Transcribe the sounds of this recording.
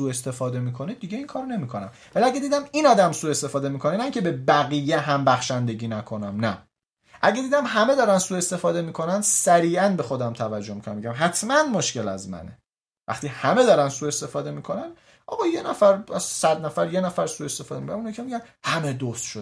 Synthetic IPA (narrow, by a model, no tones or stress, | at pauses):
suːe̞st̪e̞fɒːd̪e̞miːkʰo̞ned̪iɟeiŋkʰɒːɾne̞miːkʰo̞næm | væliæɡed̪iːd̪æminɒːd̪æmsuːe̞st̪e̞fɒːd̪e̞miːkʰo̞nenæiːŋcʰe̞be̞bæɣijeɦæmbæxʃænd̪e̞ɟiːnækʰo̞næmnæ | ʔæɟæd̪iːd̪æmɦæme̞d̪ɒːɾænsuːe̞st̪e̞fɒːd̪e̞miːkʰo̞nænd̪sæɾiːʔænbe̞xo̞d̪æmt̪ʰævæd͡ʒːomikonæmeɟæmɦæt̪ʰmænmoʃkce̞læ̰zmæ̰ne | væ̰χt̪iːhæme̞d̪ɒːɾænd̪suːe̞st̪e̞fɒːd̪e̞miːkʰo̞næn | ʔɒ̰ːbɒjenæfæɾsæd̪næfæɾje̞næfæɾsue̞st̪e̞fɒːd̪emikʰonæmunːjikʰemiɟænhæme̞d̪ost̪ʃo